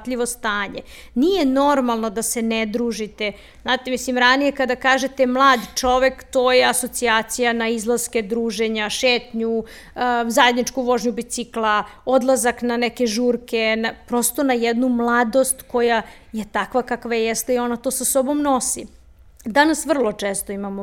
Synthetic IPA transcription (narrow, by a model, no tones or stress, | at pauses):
t̪ʎiʋo̞st̪aːɲe | nijeno̞ɾmalˠno̞d̪asened̪ɾuːʒit̪e | znaːt̪emislimɾanije̞kad̪akaːʒe̞t̪emlˠaːd̪t͡ʂo̞ʋe̞kt̪o̞ːjeaso̞t̪siaːt̪sijanaizlˠaz̥ke̞d̪ɾuːʒeɲaʃeːt̪ɲu | zajed̪nit͡ʃkuʋo̞ʒɲubit̪siklˠao̞d̪lˠazaknaneke̞ʒuːɾkenapɾo̞st̪o̞najɛd̪numlˠad̪o̞st̪ko̞ja | je̞t̪akʋakakʋajejɛst̪eio̞nat̪o̞ːsasobo̞mno̞si | d̪anasʋr̩lˠo̞t͡ʂeːst̪oimamo